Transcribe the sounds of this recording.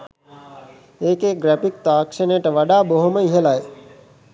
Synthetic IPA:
eːkeːɡɾɛpikt̪aːkʃeneʈɐʋɐɖaːboɦuməiɦelaj

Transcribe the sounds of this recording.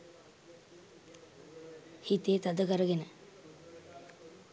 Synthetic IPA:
hit̪eːt̪ad̪əkəɾəɡenə

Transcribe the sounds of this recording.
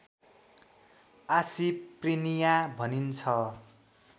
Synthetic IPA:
asiprinijabʱʌnint͡sʰʌ

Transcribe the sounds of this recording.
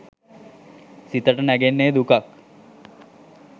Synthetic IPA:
sit̪ɐʈɐnɐɡenːeːd̪ukak̚

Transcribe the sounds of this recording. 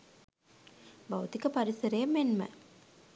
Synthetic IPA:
bawt̪ikəpaɾisəɾəjəmːenmə̰

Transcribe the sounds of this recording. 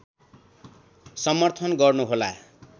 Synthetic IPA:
sʌmʌrt̪ʰʌnɡʌrnuɦola

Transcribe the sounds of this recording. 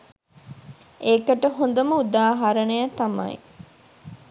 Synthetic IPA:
ʔeːkɐʈɐɦond̪ɐmɐud̪aːɦɐɾɐnejɐt̪ɐmɐ̰j̰

